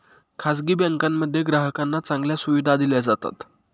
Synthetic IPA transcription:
kʰas̬ɡibɛ̃ŋkamːəd̪ʱːjeɡɾaɦəkanːat͡sãŋɡljasuʋid̪ʱad̪iljad͡zat̪a̰t̪

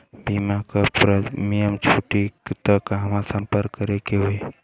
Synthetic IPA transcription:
bʱimakəpɾəmijəmt͡ʃʰuʈikt̪əkɦəmãsəmpəɾkːəɾekeɦue

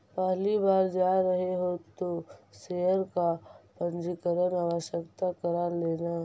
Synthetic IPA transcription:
pɛɦlibaːɾd͡ʒaːɾɐɦeɦot̪oseɦəɾkapə̃nd͡ʒɪkəɾənaːʋəʃjəkt̪akɐɾaɾleːna

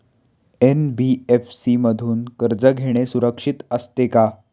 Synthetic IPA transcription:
enbiefsiməd̪ʱuːnkəɾd͡zəɡʱeɽ̃esuɾəkʂit̪əst̪eka

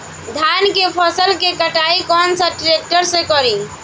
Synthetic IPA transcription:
d̪ʱankepʰəsəlkekəʈaikɔːnsəʈɾek̚ʈəɾsẽkɔɾĩ

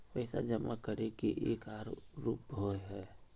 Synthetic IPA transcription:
pɛɪsa̰d͡ʒəma̰kəɾekiʔeːkaːɾɾuːpoɦɛː

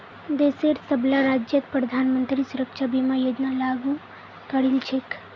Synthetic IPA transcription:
d̪eseɾsəblaɾad͡ʒjət̪pɾəd̪ʱanmənt̪ɾisʊɾəkʃabimãjod͡ʒnalaɡu | kəɽilt͡ʃʰek

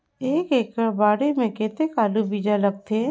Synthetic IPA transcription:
eːkeːkəbaːɽemẽkeːt̪ekaːlubiːd͡ʒaləɡ̚t̪ʰe

